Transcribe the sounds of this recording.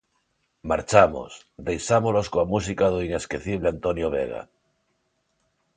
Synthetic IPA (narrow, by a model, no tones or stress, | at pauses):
maɾt͡ʃamo̞̰s | d̪ejsamolo̞skoamus̬ikaðoine̞skeθiβ̞leant̪o̞njoβ̞ḛɣ̞a̰